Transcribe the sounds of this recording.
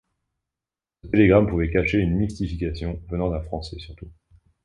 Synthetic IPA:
sət̪eleɡʁampuvɛkaʃeynmist̪ifikʲasjɔ̃vənɑ̃d̪ɛ̃fχɑ̃sɛsyʁt̪u

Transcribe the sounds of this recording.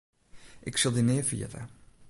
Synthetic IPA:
ʔɪksəlˠdinɪəfḭə̰tə̰

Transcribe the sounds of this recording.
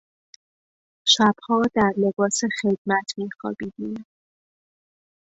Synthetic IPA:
ʃæb̥hɒːd̪æɾlebɒːsexed̪̥mæt̪ʰmiːxɒ̰ːbid̪in

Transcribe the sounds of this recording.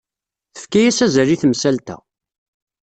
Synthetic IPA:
θə̥fkæjæsæzəɾiθmsælt̪æ̰

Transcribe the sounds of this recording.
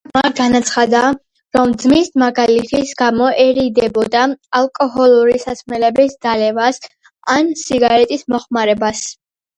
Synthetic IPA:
maɡanat̪sʰχad̪a | ɾɔmd̪zmismaɡalit̪ʰisɡamɔʔɛɾid̪ɛbɔd̪aalˠkʼɔɦɔlˠuɾisasʰmɛlɛbisd̪̥alɛvas | ansiɡaɾɛt̪ʼismɔχmaɾɛbas

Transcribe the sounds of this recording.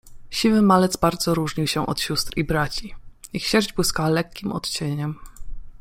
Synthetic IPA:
ɕivɘmalɛd̪zbaɾd̪zɔɾuʐɲiwɕɛʔɔ̰t̪ɕust̪ɾibɾat͡ɕiixɕɛʐd͡ʑbwɘskawalɛkʲːimʔɔ̰t̪t͡ɕeɲɛm

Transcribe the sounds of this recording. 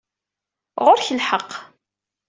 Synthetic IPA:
ʁʊɾçəlħəqː

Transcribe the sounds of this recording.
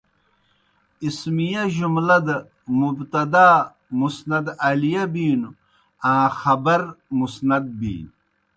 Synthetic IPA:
ismijaʑumlɐd̪ɐ | mubt̪ɐd̪aː | musnɐd̪alijabiːnu | ãːxɐbɐɾmusnɐd̪̚bḭːn

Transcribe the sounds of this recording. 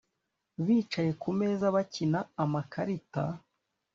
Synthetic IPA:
βiːt͡ʃaje̞kume̞ːzaβacinaːmakaɾita̰

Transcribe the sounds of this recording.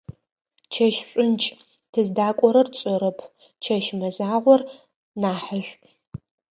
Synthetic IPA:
t͡ʃʰɐʃɕʷʼʊnt͡ʃʼ | tʰɨzdaːkʷʼɔɾɐrt͡sʼɔɾɐpʰ | t͡ʃʰɐʃmɐzaːʁʷɔr | naːħəɕʷ

